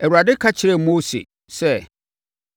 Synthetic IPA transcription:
ɛ˨wu˨ɾa˨dɪ˦kʰa˦t͡ɕʰɪ˨ɾɛ˦mo˦sḛ˨ | sɛ˦˨

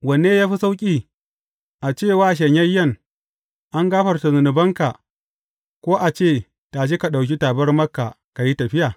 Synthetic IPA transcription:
wɐ˨neː˦jaː˦ɸi˦sa˦wkʲʼiː˨ | ʔa˨t͡ʃeː˦˨waː˦ʃ̬ɐ˨ɲjɐ˦jːɐ˦˨ŋ | ʔa˦ŋɡaː˦ɸɐ˨rta˨zʊ˨nʊ˨bɐ˦ŋka˨ | kʷoː˦ʔa˨t͡ʃeː˦˨ | ta˨ʃ̬i˦ka˨ɗa˨wk̬ʲi˦ta˨bɐ˦rmɐ˦kːa˨ | ka˨ji˦tɐ˨ɸɪ˦jaː˨

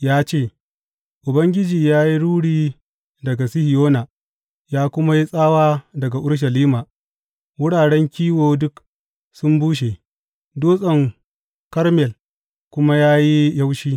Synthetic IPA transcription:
jaː˦t͡ʃeː˦˨ | ʔʊ˨bɐ˦ŋɡʲɪ˦d͡ʒiː˨jaː˦ji˦ɽuː˦ɽiː˦ | dɐ˨ɡa˨sɪ˦hɪ˨joː˦na˨ | jaː˦kʷʊ˦ma˦ji˦sʼaː˦waː˦dɐ˨ɡa˨ʔʊ˦ɽʃ̬ɐ˨liː˦maː˨ | wʊ˦ɽaː˨ɽɛ˦ŋkʲiː˦woː˨dʊ˦k | sʊ˦mbuː˦ʃ̬e˨ | doː˦sʼɐ˨ŋ | kɐ˦ɾmɛ˨l | kʷʊ˦ma˦jaː˦ji˦ja˦wʃiː˦

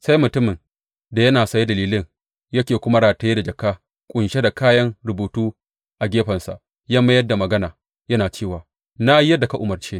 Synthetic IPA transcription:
sa˦jmʊ˨tʊ˦mɪ˨n | da˨jɐ˦naː˨sɐ˨ji˦dɐ˨liː˦lɪ˦ŋ | jɐ˦kʲeː˨kʷʊ˦ma˦ɽaː˨ta˨je˦da˨d͡ʒɐ˨kaː˦ | kʷʼʊ˨nʃe˦da˨kaː˦jɐ˦ŋɾʊ˨buː˨tuː˦ | ʔa˨ɡʲeː˦ɸɐ˨nsa̰˨ʔ | ja˦mːɐ˦jɐ˦da˨mɐ˨ɡɐ˦naː˨ | jɐ˦naː˨t͡ʃeː˦˨waː˨ | na˦ji˦jɐ˦da˨ka˨ʔʊ˦mɐ˨rt͡ʃeː˦

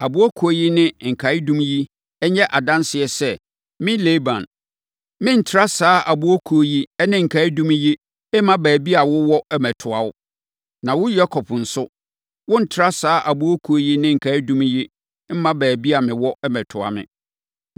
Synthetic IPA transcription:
a˨bu˨˦ɔ˦kʰo˨˦ji˦nɪ̃˦ŋ̩˨kʰa˨ɪ˦dũ˦m˦ji˦ | ɛ˦ɲɛ̃˦ʔa˨dã˦nsɪ˨ɛ˨sɛ˦ | mɪ̃˦leː˦bã̰˨n | mɪ̃˦n̩˨tʰɪ˨ɾa˦saː˦ʔa˨bu˦ɔ˦kʰo˨˦ji˦ɛ˦nɪ̃˦ŋ̩˨kʰa˨˦i˦dũ˦mĩ˦ji˦ | ɛ˦mã˦bæː˨bi˦a˨wʊ˦wɔ˦ʔɛ˦mɛ˨tʰʊ˨a˨ʊ˦ | nã˨wʊ˦jɛ˦kʰɔ˨pn̩˨sʊ˦ | wʊ̃˦n̩˨tʰɪ˨ɾa˦saː˦ʔa˨bu˦o˦kʰu˨o˦ji˦nɪ̃˦ŋ̩˨kʰa˨i˦dũ˦mĩ˦ji˦ | m̩˦mã˦bæː˨bi˦a˨mɪ̃˨wɔ˦ʔɛ˦mɛ˨tʰʊ˨a̰˨mɪ̰̃˨

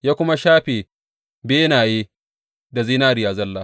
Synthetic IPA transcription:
jaː˦kʷʊ˦ma˦ʃaː˦ɸeː˨ | beː˦naː˨jeː˦ | da˨zi˦naː˦ɾɪ˨jaː˨zɐ˦lːaː˦

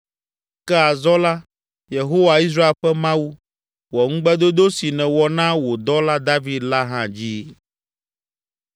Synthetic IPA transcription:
kɛ˦a˨zɔ˦la˦ | je˨ɦo˦wa˨i˦s̬ɾa˦e˦lɸɛ˦mã˦wu˦ | wɔ˨ŋ̩̃˦ɡ͡bɛ˦d̪o˦d̪o˦si˨nɛ̃˨wɔ˨nã˦wo˨d̪ɔ˦la˦d̪a˦vi˦d̪la˦ɦã˦d͡ʑi˦

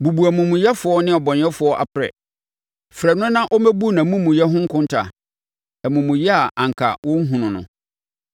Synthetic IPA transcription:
bu˨bu˨æ˨mũ˨mʊ̃˨jɛ˦fʊ˨ɔ˦nɪ̃˦ɔ˨bɔ˨n˨ɛ˦fʊ˨˦ɔ˦ʔa̰˨pʰɾɛ̰˨ | fɾɛ˨nʊ̃˦nã˦ʔɔ˦mæ˦bu˦nã˨mũ˦mũ˨jɛ˦ɦʊ̃˦ŋ̩˦kʰʊ̃˦n˦tʰa̰˨ | æ˨mũ˨mũ˨jɛ˦a˨ʔã˨ŋ̩˨kʰa̰˨wʔʊ̃˦n̩˦ɦũ˨nʊ̃˨nʊ̰̃˨

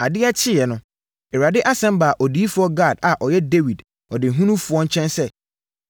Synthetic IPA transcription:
a˨dɪ˦a˦t͡ɕʰɪ˦jɛ˨nʊ̃˨ | ɛ˨ɾa˨dɪ˦ʔa˦sɛ̃˦mba˨ʔɔ˨di˨˦i˦fʊ˨ɔ˦ɡa˦˨da˨ʔɔ˨jɛ˦de˦wi˨d | ɔ˨dɪ˨ɦũ˦nũ˦fʊ˨˦ɔ̃˦n̩˦t͡ɕʰɛ̃˦nsɛ˦

